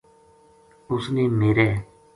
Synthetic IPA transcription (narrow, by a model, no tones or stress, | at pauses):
ʊsneːmeːɾɛː